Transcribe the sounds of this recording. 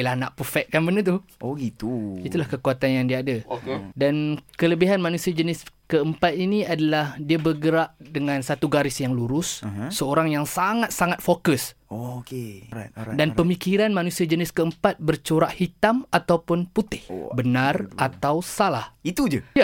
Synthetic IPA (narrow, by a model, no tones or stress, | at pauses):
lahnaʔpəfɛk̚kanbənət̪̬uoɡit̪uit̪ulahkəkuat̪anjaŋdiaːdadankələbiɦanmanusiad͡ʒənɪskəəmpat̪̚iniadalahdiabərɡəɾaʔdəŋãnsat̪uɡaɾɪsjaŋluɾʊsːəoɾaŋjaŋsaŋat̪̚saŋat̪̚fokəsoke | danpəmikiɾanmanusiad͡ʒənɪskəəmpat̪̚bərt͡ʃoɾaʔhit̪amat̪awpʊnput̪ɪhbənarat̪awsalahit̪ud͡ʒəja